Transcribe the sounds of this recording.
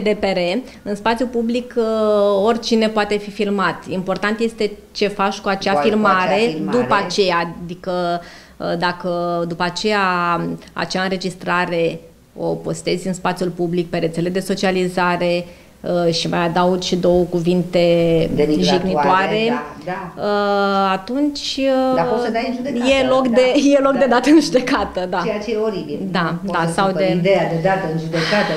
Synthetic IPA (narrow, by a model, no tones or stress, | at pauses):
d̪epeɾe | ɨnspat̪sʲjupublik | o̞rʲt͡ʃine̞poat̪e̞fifilmat̪impo̞rt̪ant̪je̞st̪e̞ | t͡ʃe̞fat͡ʃkuat͡ʃeafilmaɾe̞d̪upəat͡ʃe̞jad̪ikə | d̪akəd̪upat͡ʃe̞ja | a̰t͡ʃaɨnɾe̞d͡ʒist̪ɾaɾe̞ | o̞po̞st̪e̞zʲɨnspat̪sijulpublik̚pe̞ɾet̪sele̞d̪e̞so̞t͡ʃializaɾe̞ | ʃimajad̪awt͡ʃd̪o̞wəkuvint̪e̞d̪eiɨʒiknioaɾe̞ | aəat̪unt͡ʃʲ | d̪ajnʒud̪ejelo̞kd̪ejelo̞kd̪e̞d̪at̪əɨnʒud̪e̞kat̪əd̪aejat͡ʃeoɾibid̪ad̪asawd̪ed̪ejad̪ed̪at̪əɨnʒud̪ekat̪ə